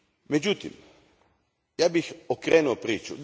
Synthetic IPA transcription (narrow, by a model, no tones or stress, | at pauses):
med͡ʒut̪ḭm | jaːbixokɾeːnuopɾiːt͡ʃṵd̪